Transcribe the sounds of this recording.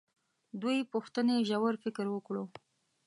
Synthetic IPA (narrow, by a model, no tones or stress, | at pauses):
d̪ujpuxt̪əneʒawaɾfɪkɾwəkɽo